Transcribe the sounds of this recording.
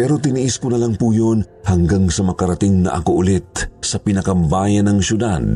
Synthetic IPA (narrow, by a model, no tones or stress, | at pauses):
pɛːɾo̞t̪ɪniʔɪskonɐlaŋpujon | hɐŋɡaŋsɐmɐkɐɾɐt̪ɪŋnɐ̰ʔɐ̰koʔʊlɪt̪̚sɐpɪnɐkɐmbaːjɐnɐŋsʊd̪ad̪̚